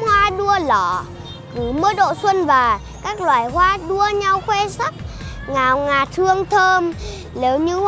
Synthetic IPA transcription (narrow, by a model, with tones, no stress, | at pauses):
hwaː˧ɗu˧əlɔ˧˨˩ | kɨ˨˦məː˧˦ɗo̰˧˨swə˧nvaː˨˩ | kaː˦˥k̚lwaː˨˩jhwaː˧˦ɗu˧əɲa˧wxwɛ˧sə˦˥t̚ | ŋaː˨˩wŋaː˨˩t̚hɨ˧əŋt̪ʰəː˧m | le˨˦wɲɨ˧˦h